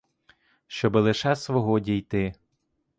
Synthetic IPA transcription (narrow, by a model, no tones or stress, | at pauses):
ʃt͡ʃɔbɪlˠɪʃɛsʋɔɦɔdʲijt̪ɪ